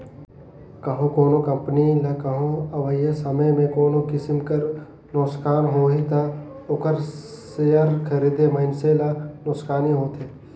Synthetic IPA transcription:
kɐɦõkoːnokɐ̃mpnilakɐɦõɐʋəjesɐməjmẽkoːnokɪsɪmkɐɾ | noːskaːnɦoːɦit̪a | oːkəɾ | sejəɾkʰɐɾiːd̪emɐɪnselanoskaːniɦoːt̪eː

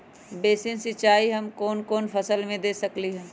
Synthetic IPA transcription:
beːsɪ̃nsɪt͡ʃaːiɦɐmkoːnkoːnfʰɐsəlmẽd̪eːsɐkliɦɛ̃ː

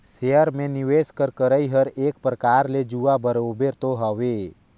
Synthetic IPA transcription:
seəɾmẽniʋeːskəɾkəɾəiɦəɾeːk̚pɾəkaːɾled͡ʒuːabəɾoːbeɾt̪oɦəʋe

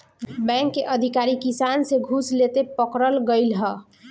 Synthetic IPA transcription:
bɛ̃ŋkːeʔəd̪ʱikaɾikisanseɡʱuslet̪epəkɾəlɡəɪlɦə

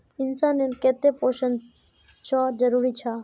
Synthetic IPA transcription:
insaneɾket̪ːepoʃən | t͡ʃɔd͡ʑəɾuɾit͡ɕʰa

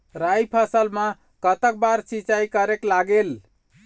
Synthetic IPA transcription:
ɾajpʰəsəlmã | kət̪ək̚baɾsit͡ʃajkəɾeklaɡel

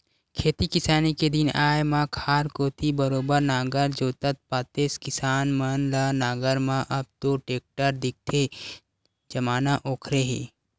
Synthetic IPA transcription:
kʰeːt̪ikɪsaːniked̪ɪnaːjmãkʰaːɾkoːt̪ʰibəɾoːbəɾnaːɡəɾd͡ʒoːt̪ət̪̚paːt̪eːskɪsaːnmɐnlaːnaːɡəɾmãʔɐb̚t̪oʈeːk̚ʈəɾd̪ɪk̚t̪ʰe | d͡ʒɐmaːnaʔoːkʰɾeɦḛː

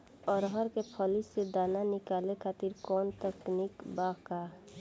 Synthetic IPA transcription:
ɔɾɦəɾkepʰəlised̪aːnanɪkaːlekʰaːt̪iɾkɔːnt̪əknikbaka

